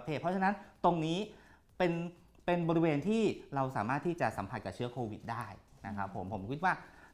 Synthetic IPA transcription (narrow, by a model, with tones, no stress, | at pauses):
t̪ʰeː˥˩ɔ˦˥t͡ɕʰa˧na˦˥nt̪o˧ŋniː˦˥ | pe˧n | pe˧nbɔ˧ɾi˧weː˧nt̪ʰiː˥˩ɾa˧wsa̰ː˩˦maː˥˩t̪ʰːiː˥˩t͡ɕa˨˩sa˩˦pʰa˨˩t̪̚ka˨˩pt͡ɕʰɯ˦˥ɐkʰoː˧wi˨˩t̪̚daː˥˩jna˦˥kʰa˦˥pʰːo̰˩˦mpʰo˩˦mkʰi˦˥t̪̚waː˥˩